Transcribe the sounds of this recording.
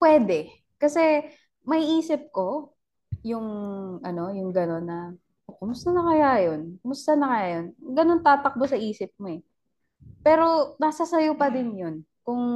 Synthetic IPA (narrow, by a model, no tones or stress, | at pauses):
pwɛːd̪ɛ | kɐsɛ | mɐiʔiːsɪp̚ko̞ | jʊŋʔɐno̞jʊŋɡɐno̞nːɐ | ʔoːkʊmʊst̪ɐnɐkɐjajo̞nkʊmʊst̪ɐnɐkɐjaːjo̞nɡɐno̞nt̪aːt̪ɐk̚bosɐʔiːsɪp̚moɛ | pɛːɾo̞nɐsɐsɐjopɐd̪ɪnjo̞nkʊŋ